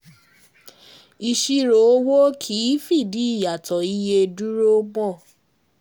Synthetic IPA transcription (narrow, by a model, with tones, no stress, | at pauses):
i˧ʃi˧ɾo˨˦wo˦kʰi˦fi˦˨di˨˦i˦˨ja˨tɔ˨i˦je˧du˦ɾo˦ɡ͡bɔ̃˦˨